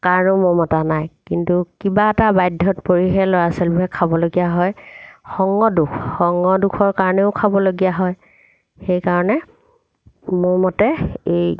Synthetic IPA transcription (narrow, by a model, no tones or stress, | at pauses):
kaɹɔnomʊɹmɔtanajkintukibaɛtabajdʱːɔtpoɹiɦɛlɔasɛlbɛkʰabɔloɡijaɦɔjxɔŋːɔdukʰxɔŋːɔdukʰɔɹkaɹɔnɛʊkʰabɔloɡijaɦɔj | xejkaɹɔnɛ | mʊɹmɔtɛej